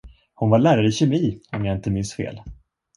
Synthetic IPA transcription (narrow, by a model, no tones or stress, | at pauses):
hʊnvaɭæːɾaɾəɪɕɛmiːɔmjaːɪnt̪əmɪnst̪fḛːl